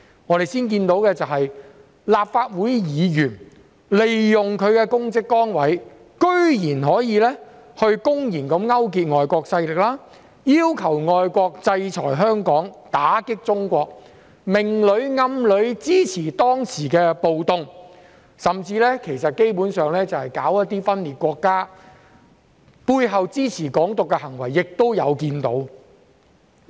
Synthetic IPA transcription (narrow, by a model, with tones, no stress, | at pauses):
ŋɔː˨˧ɾe˨jsiː˥nk̬iː˧nt̪o˨˥wkɛː˧t͡sɐ˨wɦɐ˨j | laː˨p̚faː˧t̚wuː˨˥jjiː˨˧jyː˨˩n | le˨jːʊ˨ŋkʰɵ˨˧ɥkɛː˧kʊ˥ŋt͡sɪ˥kːɔː˥ŋwɐ˨˥j | kɵ˥ɥjiː˨˩nɦɔː˨˥jiː˨˧lɛː˥hɵ˧ɥkʊ˥ŋjiː˨˩nkɐ˨˧˥mŋɐ˥wk̬iː˧t̚ŋɔː˨jkɔː˧k̚sɐ˧jlɪ˨k̚laː˥ | jiː˥wkʰɐ˨˩wŋɔː˨jkʷɔː˧k̚t͡sɐ˧jt͡sʰɔ̰ː˨˩jɦœː˥ŋkɔː˨˥ŋt̪aː˨˥kɪ˥k̚t͡sʊ˥ŋkʷɔː˧k̚ | mɪ˨˩ŋlɵ˨˧˥ɥŋɐ˧mlɵ˨˧˥ɥt͡siː˥t͡sʰiː˨˩t̪ɔː˥ŋsiː˨˩kɛː˧po˨wt̪ʊ˨˧ŋ | sɐ˨mt͡siː˧lɛː˥kʰe˨˩jsɐ˨t̚ke˥jpuː˨˥nsœː˨ŋlɛː˥t͡sɐ˨whɐ˨jkaː˨˥wjɐ˥t̚t̪iː˥fɐ˥nliː˨t̚kʷɔː˧kːaː˥ | puː˧jɦɐ˨wt͡siː˥t͡sʰiː˨˩kɔː˨˥ŋt̪ʊ˨kːɛ˧hɐ˨˩ŋwɐ˨˩jːɪ˨k̚t̪o˥wjɐ˨˧wkiː˧nt̪o̰˨˥w